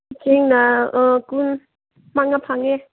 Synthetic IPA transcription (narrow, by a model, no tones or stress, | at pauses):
t͡ʃeŋnaɔkun | maŋapʰaŋɛ